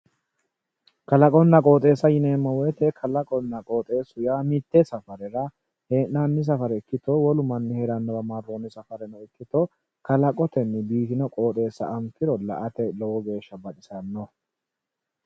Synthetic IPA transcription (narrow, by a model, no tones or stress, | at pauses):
kɐlɐkʼɔnːɐkʼoːt̪ʼe̞ːsːɐjɪneːmːɐwɛt̪ɛkʰɐlɐkʼɔnːɐkʼo̞ːt̪ʼe̞ːsʊjaːmɪt̪ːɛsɐfɐɾɛɾɐ | he̞ːʔnanːɪs̬ɐfɐɾɛɪkːɪt̪ɔwɔlʊmɐnːɪhɛɾɐnːɐbɐmarːoːnːɪsɐfɐɾɛnɐɪkːɪt̪ɔ | kɐlɐkʼɔt̪ɛnːbiːt̪ɪnɐkʼo̞ːt̪ʼe̞ːsːɐ̰ʔɐmkɪɾɔlːɐ̰ʔɐt̪ɛlɔwɔɡe̞ːʃːɐbɐᶑɪsɐnːɔ